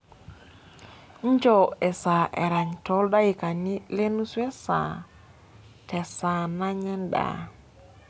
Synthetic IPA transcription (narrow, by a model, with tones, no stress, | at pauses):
ɲ̩˦d͡ʒɔ˨ɛ˨sa˨ʔɛ˨ɾa˨ɲtɔ˦lda˦i˨ka˨ni˦le˦nu˦swe˦sa̰˨ | tɛ˨sa˨na˦ɲɛ˦nda̰˨